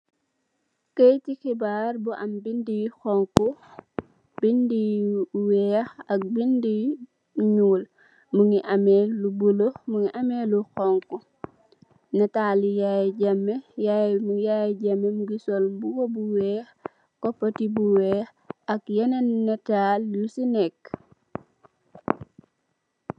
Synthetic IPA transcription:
kejtixibaːrbuʔɐmbindixɔŋku | b̥indiwɛxɐk̚bindi | ɲuːl | muŋiʔɐmɛlubulomuŋiʔɐmɛluxɔŋku | nɛtaːlijajɟamːejajmujajɟamːemuɡisɔlbuɡobuwɛx | kɔpːɐtibuwɛx | ɐkjɐnennːɛtaːljusinɛk

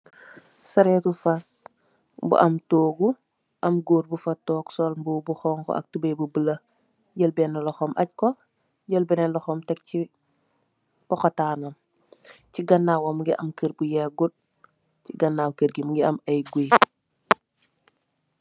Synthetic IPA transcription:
sɐɾetufas | bṵʔɐmtoːɡu | ʔɐmɡoːɾbufatːɔːksɔlmbubuxɔːŋko̰ʔɐ̰k̚tubebubəlɐ | ɟəlbenːɐlɔxomʔa̰c̚ko | ɟəlbinenlɔxɔmtɛk̚ci | pɔxɔtaːnom | ciɡɐnːawomuŋɡiʔɐmkəɾbujeɡut̚ | ciɡɐnːaːwkəɾɡimuɡiamɐjɡi

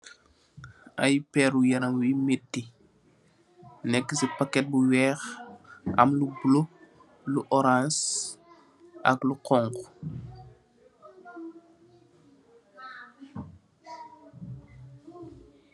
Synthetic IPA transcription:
ajpɛɾujɐɾaŋwimetːi | nɛkːəsipakːɛt̚buwɛːx | ɐ̰mlubulo | luʔɔɾãns | ʔɐkluqɔŋk

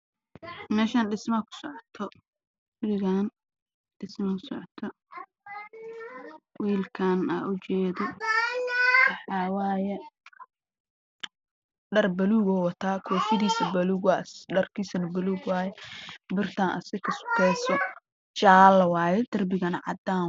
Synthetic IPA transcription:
mɛːʃaːnɖɪsmɐkʰʊ̥sɔʕɔt̪ʰɔ | bɪɾɪɣaːn | ɖɪsmɐʊsɔʕɔt̪ʰɔ | wiːlkʰaːna̰ːʔʊt͡ʃɛːðɔ | wɑħɑːwaːjɛ | ɖɐrbɐluːɣɔːwɐt̪ʰaːkʰɔːfɪðiːsɐbɐluːɡwaːsɖɐrkʰiːsɐnɐbɐluːɡwaːjɛbɪrt̪ʰaːnʔɐ̰sɪkʰɐsʊ̥kʰɛːsɔ | t͡ʃaːlwaːjɛd̪ɐrbɪɣɐnɐʕɑ̰d̪aː

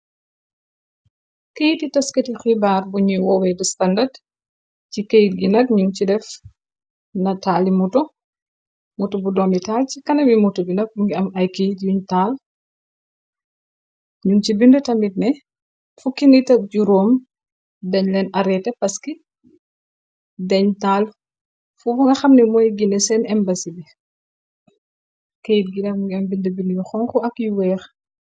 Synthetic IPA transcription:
kijititɐskɐtixibaːrbuɲujwɔːwɛdustɐndɐd | cikejtɡinɐk̚ɲuŋt͡ʃidɛf | nɐtaːlimutɔ | mutubudɔːmitaːlcikɐnɐmimutubinɐk̚buŋɡiɐmɐjkejtjuɲtaːl | ɲuŋcibindətɐmit̚nɛ | fukinitɐɟuɾɔːm | dɛɲlɛnʔɐɾɛtɛpɐski | dɛɲtaːl | fubɐŋɡɐxɐmnɛmɔjɡinɛsɛnɛmbɐsibɛ | kejit̚ɡinɐmuŋɡiɐmbindəbinjuxɔŋkuɐkjuwɛːx

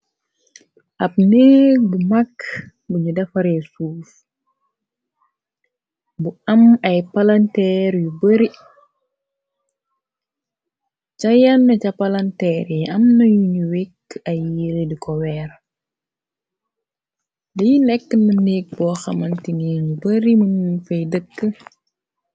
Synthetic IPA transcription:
ʔɐp̚neːk̚bumɐkː | buɲudɐfɐɾɛsuːf | buɐmɐjpɐlɐntɛɾjubəɾi | cɐjɐnːɐcɐpɐlɐntɛɾɛɐmnɐjuɲuwekɐjːiledikɔwɛːr | dijinɛkːənəneːk̚bɔːxɐmɐntiniːnbəɾimɐnfɐjdəkːə

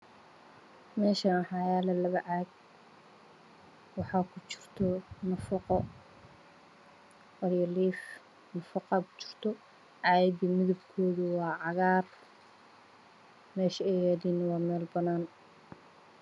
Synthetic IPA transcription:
mɛːʃɐnħɑːjaːlɐlɐβɐʕaːɡ̚ | wɑħɑːkʰʊt͡ʃɪ̥r̥t̪ʰɔnɐfɐqɔ | wɐɾjɐliːf | nɐfɐqɑkʰʊ̥t͡ʃɪ̥r̥t̪ʰɔ | ʕɑjbimɪðʊbkʰɔːðʊwɑːʕɑɣaːr | mɛːʃɐɛjaːðiːnɐwɑːmɛːlbɐnaːn

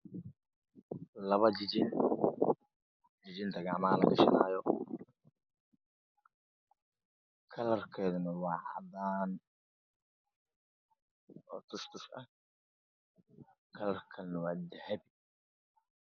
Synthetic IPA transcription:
lɐβɐd͡ʒɪd͡ʒɪn | d͡ʒɪd͡ʒɪnt̪ʰɐɡaʕmalɐ̰ɡɐ̰ʃɐ̰naːjɔ | kʰɐlɐrkʰɛːðʊnɐwɑːʕɑ̰d̪aːn | ʔɔːt̪ʰʊʃt̪ʰʊʃʔɐ̰ | kʰɐlɐrkʰɐlɛnɐwaːd̪ɛhɛbɪ

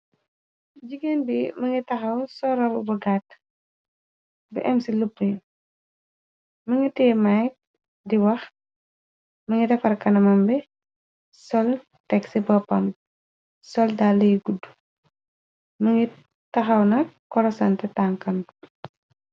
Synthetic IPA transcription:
d͡ʒiɡenbimɐŋɡitɐxɐwsɔɾɐwbɐɡat | bḭʔɛmsilupːuɲ | mɐŋɡitɛːmaj | diwɐx | mɐŋidɐfɐrkɐnɐmɐmbɛ | sɔl | tɛksibɐpːɐm | sɔldalːɐjɡudu̥ | məŋɡi | tɐxɐwnɐkːɔlɔsɐntɛtaŋkɐn

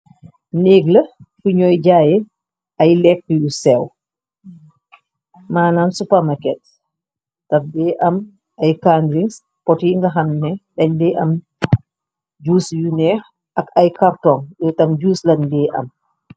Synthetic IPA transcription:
neːɡləfuɲɔːjɟaːjɛ | ʔɐjlɛkːjusɛw | maːnaːnsupɐmakɛt̚ | tɐfdɛːʔɐm | ɐjkandɾiŋs | pɔtiŋɡɐxɐmnɛɗɐɲdɛːʔɐm | d͡ʒuːsjunɛːx | ʔɐkɐjkartɔŋjɔtɐmd͡ʒuːslɐndɛːʔɐ̰m

